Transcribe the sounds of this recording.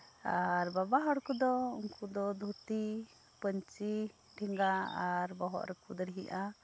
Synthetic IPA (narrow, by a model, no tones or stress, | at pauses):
aɾbabaɦəɽkud̪ɔuŋkud̪ɔd̪ʱut̪i | pəɲt͡ʃi | ʈʰɛŋɡaaɾbɔɦɔ̰ʔɾɛkud̪ɔɾɛɦiʔa